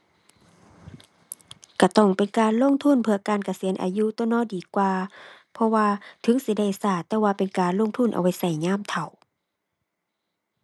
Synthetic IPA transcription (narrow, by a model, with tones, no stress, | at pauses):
ka˧˩t̪ɔ˧˩ŋpe˨nkaː˨nlo˧˥˨ŋt̪ʰu˧˥˨npʰɯ˧ɐkaː˨˩˨nka˧si˨˦ənʔa̰ː˨ju˧˥˨t̪ɔ˧˨nɔː˧˥˨diː˨˩˦kwaː˧ | pʰɔ˧waː˧t̪ʰɯ˨˦ŋsi˧˦da˧˩jsaː˧˩t̪ːɛː˧waː˧pe˨nkaː˨nlo˧˥˨ŋt̪ʰu˧˥˨nʔa̰˨˩wa˧˥˩jsa˧˩jɲaː˧˥˨mt̪ʰa˨˩w